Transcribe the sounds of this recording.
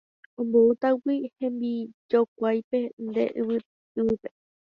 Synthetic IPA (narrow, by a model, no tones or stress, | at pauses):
õmbout̪awihẽ̞mbid͡ʒok̚ʷajpe̞nd̪e̞̰ʔɨʋɨ | ɨɨpe̞